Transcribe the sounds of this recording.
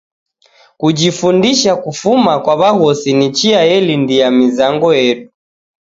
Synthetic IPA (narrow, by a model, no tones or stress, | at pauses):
kud͡ʒifundiʃakufumakwaβaɣɔsinit͡ʃiajɛlindijamizaŋɡɔjɛɗu